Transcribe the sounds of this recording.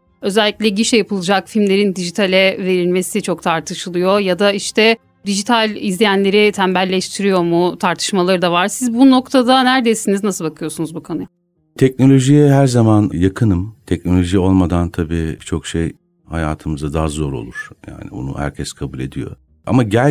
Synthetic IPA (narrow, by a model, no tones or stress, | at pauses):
ø̞zɛlʲːiclʲɛɟiʃjjapʰɯlˠɯd͡ʒakfilʲmlʲe̞ɾind̪iʒit̪ʰalʲɛve̞ɾilʲme̞sit͡ʃʰo̞k̚t̪ʰaɾt̪ʰɯʃɯlˠɯjo̞jad̪aiʃt̪ʰɛ | d̪iʒit̪ʰalʲizlʲijænlʲe̞ɾit̪ʰæmbælʲːɛʃt̪ʰiɾijo̞ɾmut̪ʰaɾt̪ʰɯ̥ʃmalˠaɾɯd̪avaɾsizbuno̞kt̪ʰad̪anæɾd̪ejsiniznasɯlˠbakʰɯjo̞sunuzbukʰanɯj | t̪ʰɛc̚no̞lʲo̞ʒijɛɦæɾzamanjakʰɯnɯmt̪ʰɛc̚no̞lʲo̞ʒio̞lˠmad̪ant̪ʰabiːbit͡ʃʰo̞kʃej | ha̰ja̰ːt̪ʰɯmɯzad̪aɦazo̞ɾo̞̰lˠuɾ̥ja̰ːnḭbo̰nṵhæ̰ɾcʰɛskʰabulʲe̞d̪ḭjo̞̰ | a̰maɟælʲ